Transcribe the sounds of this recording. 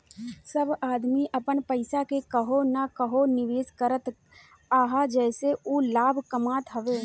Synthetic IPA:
sɐbaːd̪miʔɐpənpɐɪsakekɐɦonakɐɦonɪʋeːskəɾət̪ | aːɦad͡ʒɛːseuːlaːbʱkɐmaːt̪ɦɐʋeː

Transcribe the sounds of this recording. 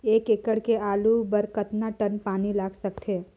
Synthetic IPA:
eːkekəɽkeaːlubəɾkət̪naʈənpaːnilaːɡsəkt̪ʰeː

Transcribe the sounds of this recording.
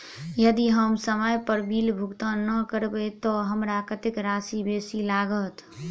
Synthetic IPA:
jəd̪iɦəmsəməjpəɾbilbʱukt̪ãnəkəɾbet̪ɔɦəmɾakət̪ɪkɾaːsibeːsilaːɡət̪

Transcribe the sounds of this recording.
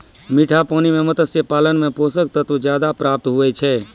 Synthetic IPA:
miʈʰapanimemət̪əsjəpalənmeposək̚t̪ət̪ud͡ʒjad̪apɾap̚t̪ɦuɛt͡ʃʰɛ

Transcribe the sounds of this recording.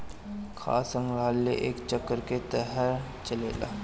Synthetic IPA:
kʰa̰ːsə̃ŋɡɾaːlːḛʔḛːkt͡ʃəkːəɾket̪əɦəɾ | t͡ʃəlḛːla̰ː

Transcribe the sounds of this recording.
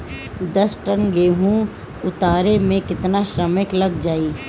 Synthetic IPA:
d̪ɐsʈənɡeːɦũ | ʊt̪aːɾemẽkɪt̪naʃɾəmɪklɐɡd͡ʒaːiː

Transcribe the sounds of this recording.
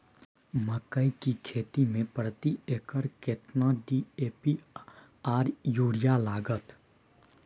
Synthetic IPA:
məkəikikʰeːt̪imẽpɾət̪ieːkəɾkɪt̪naɖiːeːpi | aːɾjuːɽɪjalaːɡət̪

